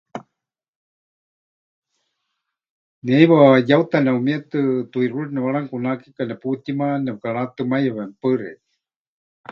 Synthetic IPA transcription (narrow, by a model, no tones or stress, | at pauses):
niajβajawt̪anɛumiat̪ɨt̪uiɾuɺinɛβaɺaŋkunakikanɛput̪imanɛβkaɺat̪ɨmajaβɛmpɨɾɛ̰